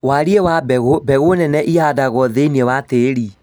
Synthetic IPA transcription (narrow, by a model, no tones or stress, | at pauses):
waɾiewabɛɣobɛɣonɛnɛʔiadaɣɔðeiniewateɾi